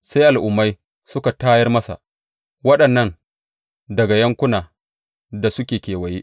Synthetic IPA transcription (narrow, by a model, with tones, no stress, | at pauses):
sa˦jʔa˨lʔʊ˨mːa˦j | sʊ˦ka˨taː˦jɐ˦rmɐ˦sa̰˨ʔ | wɐ˦ɗɐ˨nːɐ˦n | dɐ˨ɡa˨jɐ˦ŋkʷʊ˦naː˨ | da˨sʊ˦kʲeː˨kʲeː˨wɐ˨jeː˦ʔ